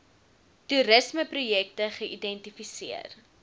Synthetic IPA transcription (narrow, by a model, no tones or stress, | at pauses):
tuɾəsməprujɛk̚təχəʔidɛntifisiə̰r